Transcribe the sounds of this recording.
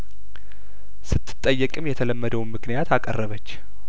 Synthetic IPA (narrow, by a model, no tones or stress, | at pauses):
sɨt̪ʰːɨ̥t̪ʼːəjːɛkʼɨmjɛt̪ʰələmːəd̪əwnmɨknijat̪ʰakʼə̰rːəβət͡ʃː